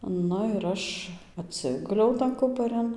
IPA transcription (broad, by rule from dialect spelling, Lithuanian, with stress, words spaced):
ˈnʊ ɪr ˈɐʃ ɐtʲˈsʲɪɡʊlʲɛʊ tɐn ˈkʊpɐrʲɪn